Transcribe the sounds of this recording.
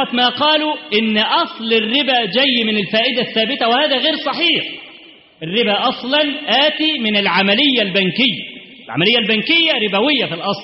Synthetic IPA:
ɑt̪maːqɑːluʔɪnːʔɑsˤlɪrːɪbæːd͡ʒæjːmɪnɪlfaːʔɪd̪aθːaːbɪt̪æwɪhaːðæɣeːɾsˤɑħiːħ | ʔɪrːɪbæːʔɑsˤlɑnʔaːt̪iːmɪnɪlʕamalɪjːalbænkɪjːa | ɪlʕa̰mælɪjːalbænkɪjːæɾɪbæwɪjːafilʔɑsˤl

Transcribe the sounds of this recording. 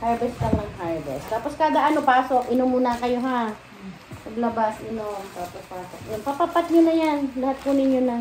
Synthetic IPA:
haɹbɛst̪ɐŋnɐŋhaɹbɛ̰st̪aːposkaːd̪ɐʔɐno̞paːso̞kʔɪnomːunɐkɐjo̞ɦa | pɐɡlɐbasʔɪnomt̪aːpospaːsok̚jonpapapat̪̚ɲonɐjanlɐhat̪̚kʊnɪɲjonɐ

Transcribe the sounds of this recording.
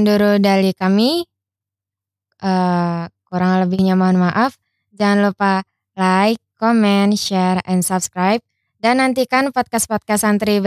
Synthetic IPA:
nduɾudalikami | ʔəːkuɾaŋləbɪhɲamaɦʊnmaʔaf | d͡ʒaŋanlupa | lajkːomɛnʃɛrɛnsab̚skɾajp̚ | danːant̪ikanpɔt̪̚kaspɔt̪̚kasant̪ɾib

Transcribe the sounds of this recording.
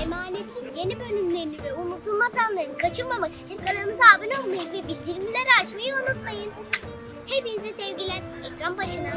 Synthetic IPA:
emaːne̞t̪ʰinje̞nibø̞nymlʲe̞ɾinivɛunut̪ʰulˠmazanlˠaɾɯnɯkʰat͡ʃʰɯnmamaki̥t͡ʃʰinkʰaɾaɾɯmɯzaːbɯno̞lˠmajɯnvɛbilʲd̪iɾimizʲæɾat͡ʃmajɯunut̪majɯn | he̞pinizɛsɛvɟilʲænɛcɾanbaʃɯna

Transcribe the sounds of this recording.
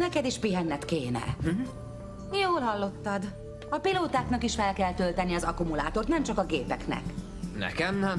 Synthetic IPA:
nɛkɛd̪iʃpiɦɛnːɛt̪keːnɛ̰ | joːlɦɒlːo̞t̪ːɒd̪ | ɒpiloːt̪aːknɒkiʃfɛlkɛlt̪ølt̪ɛniɒzɒkumula̰ːt̪ort̪nɛmt͡ʃɒkɒɡeːpɛknɛ̰k | nɛ̰kɛmnɛ

